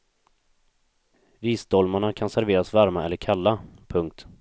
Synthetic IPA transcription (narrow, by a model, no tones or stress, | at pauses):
viːsd̪ɔlmaɳakʰansæɾveːɾasvæɾmaɛlːəɾkʰalːapʰɵŋk̚t̪